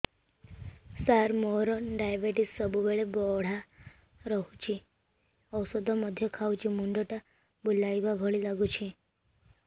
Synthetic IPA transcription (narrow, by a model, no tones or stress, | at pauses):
saɾmoɾɔnɖajbeʈissɔbubeɭebɔɽ̤a | ɾɔɦut͡ʃʰi | ɔwsɔd̪ʱɔmɔd̪ʱjɔkʰawt͡ʃimuɳɖ̪ɔʈa | bulajbaɡʱɔɭilaɡut͡ʃʰi